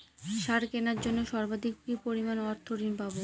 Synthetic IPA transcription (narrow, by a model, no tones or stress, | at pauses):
ʃaɾkenaɾd͡ʑonːoʃɔɾbad̪ikkipoɾimanɔɾt̪ʰoɾinpabo